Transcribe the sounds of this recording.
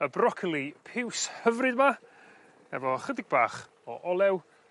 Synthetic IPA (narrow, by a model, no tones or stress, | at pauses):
əbrɔkʰɪlˠipʰɪwshəvrɨdma | ɛ̰vɔχədɪɡ̚baːχ | ɔ̰ʔɔlˠɛw